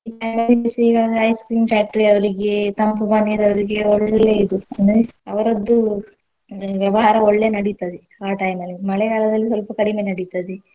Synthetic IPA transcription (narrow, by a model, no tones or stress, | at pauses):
iʈɐjmɐlːimisiiːɡaːɡ̪ɐɐjskiŋpaːk̚ʈɐɾiɐʋɐɾiɡe̞t̪ɐmpubaːniɾɐʋɐɾiɡeoɭːɐleid̪uɐnɐɐʋɐɾɐd̪ːu | ʋjɛʋɐɦaːɾɐɔɭːeːnɐɽit̪ad̪e | aːʈɐjmɐlimɐɭɛkaːlɐd̪ɐlːisʋɐlpɐkɐɽimeːnɐɽit̪aːd̪e